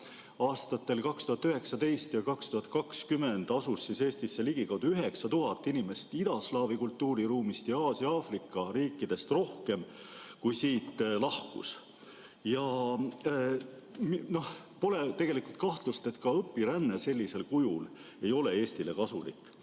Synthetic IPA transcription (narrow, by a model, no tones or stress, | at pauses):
ɑːst̪ɑt̪ːe̞lkɑkst̪uhɑt̪ːyɦe̞ksɑd̪e̞jst̪jɑkɑkst̪uhɑt̪̚kɑkskyme̞nd̪̥ɑsusːise̞ːst̪isːeliɡ̥ikɑwd̪̥uyɦe̞ksɑt̪uɦɑt̪ːˑinime̞st̪id̪̥ɑslɑːvikult̪ˑːuːɾiɾuːmist̪jɑɑːsjɑɑfrikːˑɑriːkːˑid̪̥e̞st̪ro̞hke̞m | kujsiːt̪lɑhkṵs | jɑ | mno̞h | po̞le̞t̪e̞ɡ̥e̞likult̪̚kɑht̪lust̪e̞t̪kɑɤpːiɾænːese̞lʲːise̞lkujul | e̞jo̞le̞e̞ːst̪ile̞kɑsulḭkːˑ